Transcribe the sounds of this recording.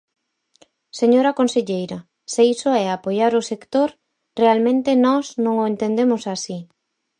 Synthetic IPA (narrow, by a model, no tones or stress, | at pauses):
seɲoɾakonseʎejɾɐ | seisoɛapojaɾʊsekt̪oɾ | realmẽnt̪enɔsnõŋoent̪end̪emʊsasi